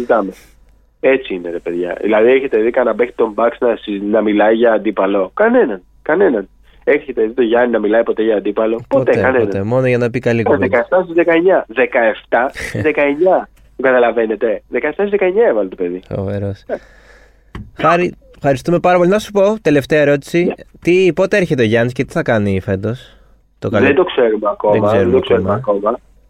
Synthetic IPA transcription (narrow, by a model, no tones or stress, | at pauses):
zzit̪ɐme | e̞t͡siineɾepe̞ðʝɐ̰ðḭlɐðieçe̞t̪e̞ðikɐnɐbekt̪i̥t̪o̞mbɐksnɐsinɐmilɐiʝɐːnd̪ipɐlo̞kɐne̞nɐn | kɐne̞nɐn | eçe̞t̪e̞ðit̪o̞ʝɐninɐmilɐipo̞t̪e̞ʝɐːnd̪ipɐlo̞pot̪ekɐnenɐemo̞noʝɐnɐpikɐliɣekɐeft̪ɐsizðekɐeɲɐðe̞kɐe̞ft̪ɐtizðekɐeɲɐ | k̪uɡɐt̪ɐlɐve̞ne̞t̪e̞ðekɐeft̪ɐsizðekɐeɲɐevɐlet̪ope̞ðifɐ̰veɾo̞s | xɐɾi | fxɐɾist̪ume̞pɐɾɐpolinɐsu̥po̞t̪e̞le̞ft̪eɐeɾo̞t̪i̥sit̪ipo̞t̪eeɾçe̞t̪eo̞ʝɐnisce̞t̪i̥θɐkɐnife̞d̪o̞s | t̪okɐlend̪o̞kseɾumeɐko̞ðemɐseɾd̪okseɾummeɐko̞mɐ